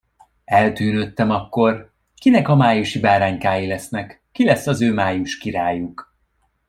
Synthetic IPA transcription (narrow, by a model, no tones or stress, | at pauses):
ɛlt̪yːnø̞t̪ːɛmɒkːo̞r | kinɛkɒmaːjuʃibaːɾaːɲkaːjilɛsnɛkːilɛsːɒzøːmaːjuʃkiɾaːjuk